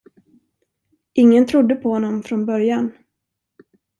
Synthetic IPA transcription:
ʔɪŋːənt̪ʰɾʊd̪ːəpʰɔhɔnːɔmfɾɔnbœɾjan

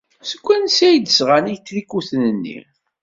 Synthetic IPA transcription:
səkʷːænsæjd̪əsʁanijt͡sːlikːuθnənːḭ

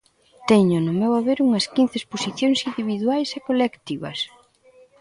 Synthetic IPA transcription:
t̪ɛɲʊnʊmewaβeɾuŋɐskin̟θesposiθjoŋsind̪iβiðwajsɛkolekt̪iβɐ̰s

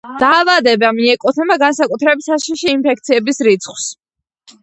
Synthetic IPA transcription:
d̪̥aːvad̪ɛbamiɛkʼɔt̪ʰɛmaɡansakʼut̪ʰɾɛbitsaʃiʃiːnmpʰɛkʰt̪sʰiɛbisɾit̪sʰχws

